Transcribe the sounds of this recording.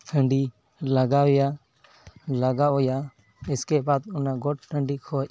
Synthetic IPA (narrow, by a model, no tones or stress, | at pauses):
hʰəɳɖi | laɡawja | laɡaʔɔja | ɛskɛbad̪̚ɔnaɡɔʈ̚ʈəɳɖikʰɔc̚